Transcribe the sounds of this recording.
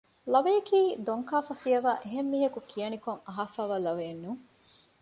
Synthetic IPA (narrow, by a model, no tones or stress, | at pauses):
lɐʋejɐkiːd̪oŋkaːfɐfijɐʋaːʔeɦemːiːɦɐkukʰijɐnikoŋɐɦaːfaːʋaːlɐʋeːnːuŋ